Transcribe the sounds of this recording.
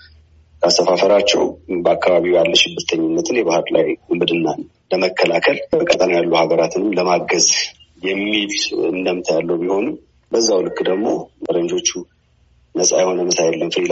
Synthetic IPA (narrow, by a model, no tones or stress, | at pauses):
kʰast̪əfafəɾat͡ʃːɛ̰wbəakːaβaβiwjalːəʃɪbːɨɾt̪ʰəɲːɪnːət̪ʰɨnjɛβahɨɾla̰jumbɨd̪ɨnːanː | ləməkʰːəlakʰələkʼat̪ʼəmjalːuhaβəɾat̪ʰɨnɨmləmaɡəz | jɛmːilɨnd̪əmt̪ʰəjalːəwbiho̞num | bəzːawlɨkːd̪əɡmo̞məɾənd͡ʒo̞t͡ʃːu | nəsʼa̰jɛho̞nəmɨsajɛlːənfɨd̪